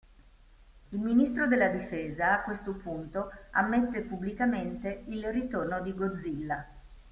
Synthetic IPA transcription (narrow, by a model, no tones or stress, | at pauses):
ilminist̪ɾod̪elːad̪ifeːzaːkːwest̪opunt̪oa̰mːet̪ːepubːlikament̪eilrit̪ornod̪iɡod̪zːilːa